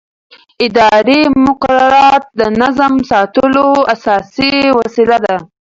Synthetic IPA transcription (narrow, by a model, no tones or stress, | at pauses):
ɪd̪ɑɾemʊqaɾaɾɑt̪̚d̪ənazamsɑt̪əloasɑsiwasilad̪a